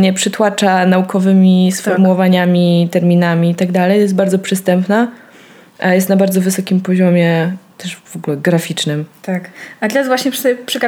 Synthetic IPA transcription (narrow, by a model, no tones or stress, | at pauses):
ɲɛpʂɘt̪wat͡ʂanaukʰɔvɘmʲisfɔɾmuwɔvaɲamʲit̪ɛɾmʲinamʲiːt̪aɡd̪alɛjjɛst̪baɾd̪ɔpʂɨst̪ɛmpna | jɛst̪nabaɾd̪zɔvɘsɔkʲimpɔʑɔmʲɛt̪ɛʂv̥ɔɡulɛɡɾafʲit͡ʂnɘmt̪akat̪lɛɾazvwaɕɲɛpʂpʂɛk